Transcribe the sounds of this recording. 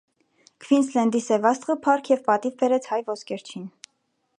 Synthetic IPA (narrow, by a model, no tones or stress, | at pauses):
kʰvinslɛnd̪isɛvɑst̪ʁəpʰɑɾkʰjɛvpɑt̪ivbɛɾɛt͡sʰhɑjvɔskɛɾt͡ʃʰin